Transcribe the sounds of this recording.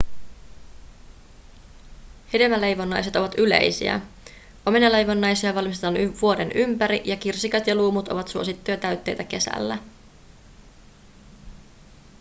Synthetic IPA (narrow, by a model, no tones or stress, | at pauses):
hedeʋæle̞jʋo̞nːɑjse̞t̪o̞ʋɑt̪yle̞̰jsḭæ̰ | ʔo̞me̞nɑle̞jʋo̞nːɑjsiɑʋɑlmist̪et̪ɑnyʋuo̞de̞nʔympæɾiʔjɑkirsikɑt̪jɑluːmut̪o̞̰ʋɑt̪suo̞sit̪ːuːt̪æɥt̪ːejt̪æke̞sæ̰lːæ